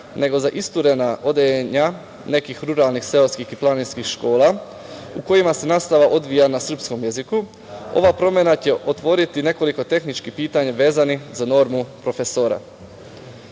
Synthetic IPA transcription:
ne̞ɡo̞zaʔist̪uɾe̞naʔo̞d̪eeɲa | ne̞kixɾuɾalˠnixse̞oskixiplˠaninskixʃko̞ːlˠa | uko̞jimase̞naːst̪aʋaʔo̞d̪ʋijanasr̩psko̞mjeziku | o̞̰ʋapɾo̞mje̞nat͡ɕe̞ʔo̞t̪ʋo̞ɾit̪ine̞ko̞liko̞t̪e̞xnit͡ʃkipiːt̪aɲaʋe̞ːzanizano̞ɾmupɾo̞feso̞ɾa̰

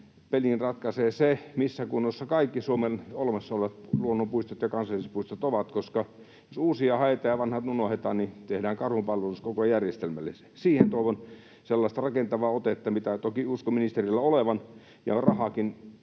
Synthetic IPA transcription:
pelinrɑt̪kɑseːsemisːækunːosːɑkɑikːisuomenolmesːɑolʋɑt̪luonːompuist̪et̪jɑkɑnsɑlːˑiset̪̚puist̪et̪oʋɑt̪koskɑ | josuːsiɑhɑet̪ɑjɑʋɑnhɑt̪nunohet̪ɑːnnit̪ehdæːŋkɑrhumpɑlʋeluskokojærjest̪elmælːesesiːhent̪oˑiʋon | selːɑˑst̪ɑrɑkent̪ɑʋɑːot̪et̪ːɑmit̪æt̪okiuskominist̪erilːæoleʋɑn | jɑ̰rɑhɑkin

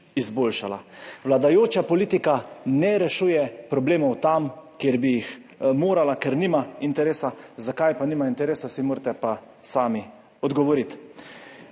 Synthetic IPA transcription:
izboːlʃala̰ʋlad̪ajoːt͡ʃapɔliːt̪ikanɛɾɛʃuːjɛpɾɔbleːmɔwt̪amkjeɾbijix | moːɾalakɛɾniːmaint̪ɛɾeːsazakajpaniːmaint̪ɛɾeːsasimoːɾt̪ɛpa | saːmi | ɔd̪ɡɔʋɔɾit̪

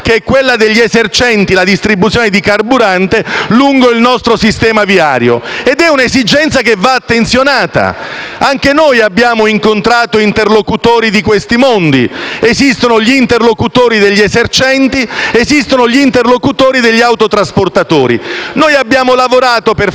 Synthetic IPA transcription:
keɛkːwelːad̪eʎːiezert͡ʃɛnt̪ilad̪ist̪ɾibut̪sjoːned̪ikarbuɾant̪eluŋɡoilnɔst̪ɾosist̪ɛːmaviaːɾjo̰ed̪ɛunezid͡ʒɛnt̪sakevːaːt̪ːent̪sjonaːt̪a̰aŋk̟enojabːjaːmoiŋkont̪ɾaːt̪oint̪erlokut̪oːɾid̪ikwest̪imond̪iezist̪onoʎiːnt̪erlokut̪oːɾid̪eʎːiezert͡ʃɛnt̪iezist̪onoʎiint̪erlokut̪oːɾid̪eʎːiawt̪ot̪ɾasport̪at̪oːɾḭnoːjabːjaːmolavoɾaːt̪oper

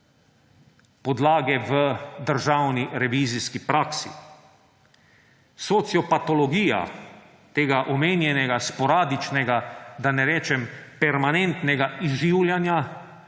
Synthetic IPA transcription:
pɔd̪laːɡɛʋəd̪əɾʒaːwniɾɛʋiːziskipɾaːksḭ | sɔt̪sjɔpat̪ɔlɔɡiːja̰ | t̪eːɡaʔɔmeːnjɛnɛɡaspɔɾaːd̪it͡ʃnɛɡad̪anɛɾɛːt͡ʃɛmpɛɾmanɛnt̪nɛɡaizʒiːwljanja

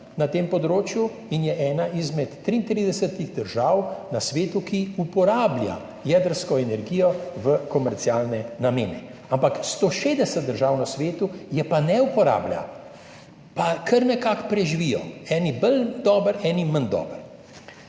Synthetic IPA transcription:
nat̪eːmpɔd̪ɾoːt͡ʃju | injɛʔɛːnaʔizmɛt̪ːɾiːnt̪ɾid̪ɛsət̪iɣd̪əɾʒaːwnasʋeːt̪ukiupɔɾaːblʲja̰ | jɛːd̪əɾskɔɛnɛɾɡiːjɔʋəkɔmɛɾt̪siaːlnɛnameːnɛampakst̪oːʃeːd̪ɛsət̪̚d̪əɾʒaːwnasʋeːt̪ujɛpanɛupɔɾa̰ːblja̰ | pakʰəɾnɛkakpɾɛʒiʋijɔ̰ɛːnibəld̪ɔːbəɾɛːnimənd̪ɔ̰ːbəɾ

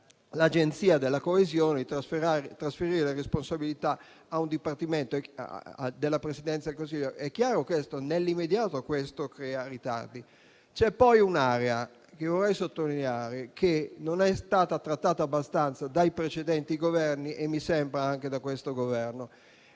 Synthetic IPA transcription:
lad͡ʒent̪siːad̪elːakoezjoːneit̪asfeɾaɾt̪ɾasfeɾiɾeleresponsabilit̪aː | und̪ipart̪iment̪o̰ | d̪elːapɾesid̪ɛnt̪sad̪elkons̬iʎːoʔɛkːjaːɾokwest̪onelːimːed̪jaːt̪okwest̪okɾɛːarit̪a̰rd̪i | t͡ʃɛpːɔjunaɾea | k̟evorːɛjsot̪ːolineaːɾekʰenonɛst̪aːt̪at̪ɾat̪ːaːt̪aːbːast̪ant̪sad̪ajpɾet͡ʃed̪ɛnt̪iɡovɛrniʔemːisɛmbɾaaŋk̟ed̪akwest̪oɡovɛrno

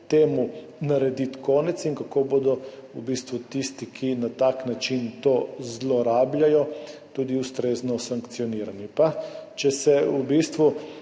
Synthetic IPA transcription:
t̪eːmu | naɾɛd̪it̪kɔːnɛt̪siŋkakoːboːd̪ɔubist̪ʋut̪ist̪ikʰinat̪aknat͡ʃint̪oːzlɔɾaːblʲajɔt̪uːd̪iust̪ɾeːznɔsaŋkt̪siɔniːɾanipat͡ʃɛsɛubist̪ʋu

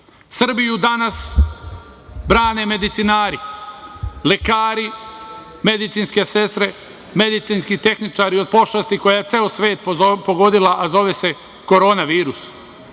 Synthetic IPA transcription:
sr̩bijud̪anas | bɾaːne̞me̞d̪it̪sinaːɾi | lekaːɾi | me̞d̪it̪siːnske̞se̞st̪ɾe | me̞d̪it̪sinskit̪e̞xnit͡ʃaːɾiod̪̚po̞ʃlast̪iko̞jajet̪seːosʋe̞ːt̪ppo̞ɡod̪ilˠaʔazo̞ʋese̞ | koɾo̞ːnaʋiːɾus

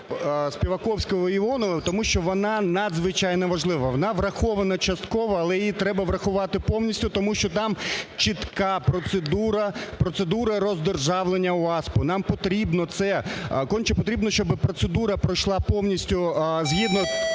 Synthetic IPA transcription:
spʲiʋɐkɔwsʲkɔɦɔiɔnɔʋɪt̪ɔmuʃt͡ʃɔʋɔnɑnɐd̪zʋɪt͡ʃajnɛʋɐʒlˠɪʋɐʋɔnɑʋrɐxɔʋɐnɐt͡ʃɐst̪kɔʋɔɐlˠɛjjit̪ɾɛbɐʋɾɐxʊʋɑt̪ɪpɔwnʲisʲtʲʊt̪ɔmuʃt͡ʃɔt̪ɑmt͡ʃit̪kɑpɾɔt̪sed̪uɾɐpɾɔt̪sed̪uɾɐɾɔzd̪erʒɑʋlˠenʲːɐʊɑspʊnɑmpɔt̪ɾʲibnɔt̪sɛkɔnʲt͡ʃɛpɔt̪ɾʲibnɔʃt͡ʃɔbɪpɾɔt̪sed̪uɾɐpɾɔjʃlˠɑpɔwnʲisʲtʲʊzɦʲid̪nɔ

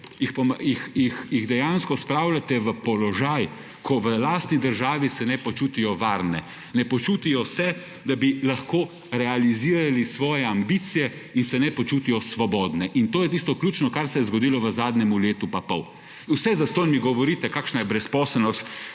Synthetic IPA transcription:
jixpɔmjixjixjiɣd̪ɛjanskɔspɾaːwlʲat̪ɛʋəpɔlɔʒaj | kʰɔʋəlaːst̪nid̪əɾʒaːʋisɛnɛpɔt͡ʃuːt̪ijɔʋaːɾnɛ | nɛpɔt͡ʃuːt̪ijɔsɛ | d̪abilaxkoː | ɾɛaliziːɾalisʋɔːjɛambiːt̪sijɛinsɛnɛpɔt͡ʃuːt̪ijɔsʋɔbɔːd̪nɛʔint̪oːjɛt̪iːst̪ɔklʲuːt͡ʃnɔkaɾsɛjɛzɡɔd̪iːlɔʋəzaːd̪nɛmuleːt̪upapɔ̰w | wsɛzast̪oːjnmiɡɔʋɔɾiːt̪ɛkaːkʃnajɛbɾɛspɔːsəlnɔst̪

